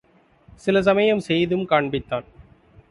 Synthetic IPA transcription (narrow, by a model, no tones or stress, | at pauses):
sɪlɐs̬ɐmɐjɐmsɛjðɯmkaːɳbɪt̪ːaːn